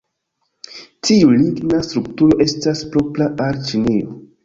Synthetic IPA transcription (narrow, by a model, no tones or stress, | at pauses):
tʰiuliɡnastɾuktuɾo̞ʔe̞staspɾo̞pɾaʔalt͡ʃineo̰